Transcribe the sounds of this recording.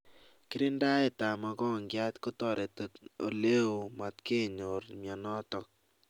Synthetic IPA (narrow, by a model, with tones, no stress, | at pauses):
kɪ˦ɾɪ˦nda˦e˦˨ta˨ma˨kɔ˦˨ŋɡja˦t̪ko˦tɔ˨ɾe˨to˨to̰˨le˦o˨ma˨t̪ke˦ɲo˨ɾmjɔ˨nɔ˦t̪ɔ˨k̚